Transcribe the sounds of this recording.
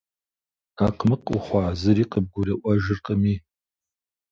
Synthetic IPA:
aqmɨqṵχʷɑːzɨɾiːqəb̚ɡʷʊrɐʔʷɐʒɪrqʼəmiː

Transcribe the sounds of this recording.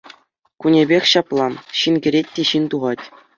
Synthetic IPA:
kunʲebʲexʲɕɑplˠɑɕinɡʲɘ̆ɾʲet̚ʲtːʲeɕint̪uʁɑtʲ

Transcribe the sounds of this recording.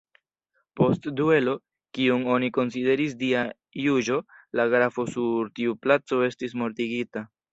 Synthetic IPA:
po̞stdue̞lo̞ | kiuŋo̞niko̞nside̞ɾis̬dia | jud͡ʒo̞laɡɾafo̞suɾtiuplat͡so̞e̞stis̬mo̞ɾtiɡita

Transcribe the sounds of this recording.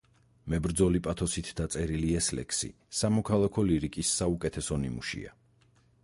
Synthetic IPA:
mɛbɾd̪zɔlipʼat̪ʰɔsit̪ʰd̪at̪sʼɛɾiliɛslɛ̰kʰsḭ | samɔkʰalˠakʰɔliɾikʼisːaukʼɛt̪ʰɛsɔnḭmṵʃḭa̰

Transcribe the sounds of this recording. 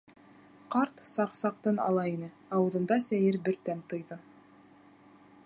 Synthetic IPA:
qɑɾt̪sɑqsɑqt̪ɤnɑ̰lˠɑinɘ | ɑwɤ̆ðɤ̆nd̪ɑsæjɘɾbɘ̆ɾt̪æmt̪ŏjðɤ

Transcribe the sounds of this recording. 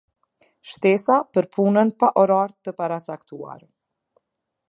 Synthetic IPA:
ʃt̪ɛsapəɾpʰunənpaʔɔɾaɾt̪əpaɾat͡sakt̪ua̰ɾ

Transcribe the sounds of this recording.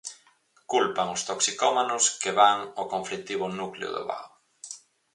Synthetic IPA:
kulpaŋʊst̪oksikɔmanʊskɪβaŋokoɱflit̪iβʊnukleʊ̰ðʊ̰βa̰w

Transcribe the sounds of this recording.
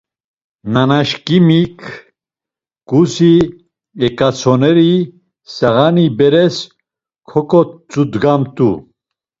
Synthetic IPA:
nanaʃkʼimikʰ | kʼusi | ɛkʼat͡sʰɔnɛɾi | saɣanibɛɾɛs | kʰɔkʼɔt͡sʼud̪ɡamt̪ʼṵ

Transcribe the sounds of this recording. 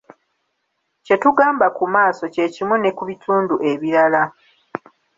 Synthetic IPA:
ce̞tuɡaːmbakumaːso̞ce̞cimune̞kuβituːnduʔe̞βiɾala

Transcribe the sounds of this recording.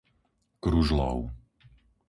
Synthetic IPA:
kɾuʒlˠɔ̰w

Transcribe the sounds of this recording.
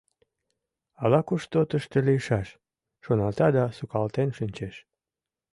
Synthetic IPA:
ɑlɑkuʃt̪ot̪əʃt̪elijəʃɑʃ | ʃonɑlt̪ɑd̪ɑsukɑlt̪enʃinʲt͡ɕeʃ

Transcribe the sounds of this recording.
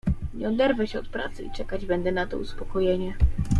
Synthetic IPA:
ɲɛɔd̪ɛɾvɛɕɛɔt̪pɾa̰t̪sɘ̰it͡ʂɛkad͡ʑbɛnd̪ɛnat̪ɔ̰uspɔkɔjeɲɛ

